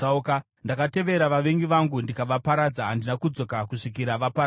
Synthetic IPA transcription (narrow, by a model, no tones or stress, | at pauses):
auka | ndakate̞ʋe̞ɾaʋaʋe̞ŋɡiʋaŋɡundikaʋapaɾad͡zaɦandinakud͡zo̞kakuʂik̬iɾaʋapaɾ